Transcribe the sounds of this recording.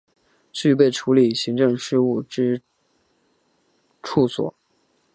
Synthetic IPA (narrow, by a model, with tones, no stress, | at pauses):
t͡ɕy˥˧p̬e˥˩ɪʈ͡ʂʰu˧˥li˨˩ɕi˧˥ŋʈ͡ʂɤ˥˧ŋʂɻ̩˥˧u˥˩ʈ͡ʂɻ̩˥ | ʈ͡ʂʰu˥˩swɔ̰˨˩˦